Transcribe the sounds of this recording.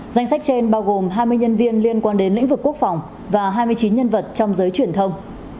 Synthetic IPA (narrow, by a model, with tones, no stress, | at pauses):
za˧jŋ̟sa˦˥k̟̚t͡ɕe˧nɓaː˧wɣo˨˩mɦaː˧jmɨ˧əjɲə˧nvi˧ənli˧ənkwaː˧nɗe˨˦nlḭ˧˥ŋ̟vɨ˨˩kːək̚fa˨˩wŋ͡m | vaː˨˩ɦaː˧jmɨ˧əjt͡ɕi˨˦nɲə˧nvə˨˩t̚t͡ɕɔ˧wŋ͡mzəː˨˦jt͡ɕwi˨˩ənt̪ʰə˧wŋ͡m